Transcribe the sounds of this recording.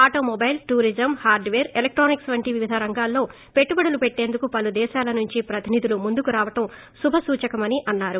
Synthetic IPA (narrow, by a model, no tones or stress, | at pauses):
aːʈo̞ːmɔbɐjlʈuːɾid͡ʒɐmhaːɾɖʋeːɾelek̚ʈɾoːniksʋɐɳʈiʋiʋid̪ʱɐɾɐŋɡaːlːo̞ː | peʈːubɐɽɐlupeʈːe̞ːnd̪ukupɐlud̪ɛːʃaːlɐnuɲt͡ʃipɾɐt̪inid̪ulumund̪ukuɾaːʋɐʈɐm | subʱɐsuːt͡ʃɐkɐmɐniʔɐnːaːɾu